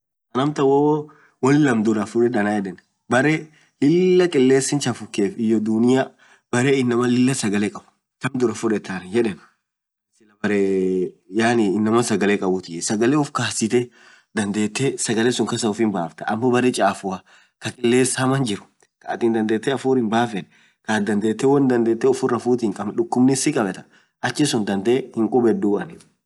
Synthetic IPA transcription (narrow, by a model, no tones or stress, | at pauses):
kɐnɐmt̪ɐwɔ | wɐlɪlɐmd̪ʊɾɐfʊᶑɛd̪ɐnajɛᶑɛn | bɐɾe | lɪlːɐkʼɪlːe̞ːsːɪnt͡ʃɐfʊkːeːfɪjːɔd̪ʊnɪja | b̥ɐɾeɪnːɐmɐlɪlːɐsɐɡɐlɛkʼɐbʊ̥ | tɐmd̪ʊɾɐfʊᶑɛt̪ːaːnjɛᶑɛn | sɪlɐbɐɾe | jaːnɪɪnːɐmɐsɐɡɐlɛkʼɐbʊt̪ɪʔɛsɐɡɐlɛʊfkaːsɪt̪ɛ | d̪ɐnd̪e̞ːt̪ːesɐɡɐlesʊŋkɐsɐʊfɪnbaːft̪ɐɐmːɔbɐɾɛt͡ʃʼaːfʊɐ | kɐkʼɪlːeːsaːmɐnd͡ʒɪɾʊ̥ | kɐɐt̪ɪːnd̪ɐnd̪e̞ːt̪ːɛɐfuːɾɪnbaːfɛn | kaːd̪ɐnd̪e̞ːt̪ːɛwɐnd̪ɐnd̪e̞ːt̪ːɛʊfʊɾɐfuːt̪ɪŋkʼɐmᶑʊkːʊmnɪsɪkʼɐbɛt̪ɐ̥ | ʔɐt͡ʃːɪsʊnd̪ɐnd̪eːhɪŋkʼʊbɛd̪uːɐnɪ